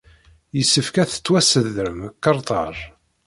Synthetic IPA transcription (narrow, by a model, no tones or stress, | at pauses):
jəsːəfkæθə̥t͡sːwæsəðəɾəmkːəɾˤt̪ˤɑ̰ɾˤ